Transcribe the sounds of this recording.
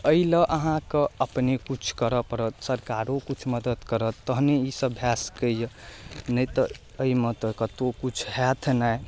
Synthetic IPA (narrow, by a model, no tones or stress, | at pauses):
əiləʔəɦãkəəpnekut͡ʃʰkəɾəpəɾət̪səɾkaɾokut͡ʃʰməd̪əd̪kəɾət̪ːəɦneisəbʱjaskəijənəjt̪ə | əimət̪əkət̪okut͡ʃʰhɛt̪ʰnaj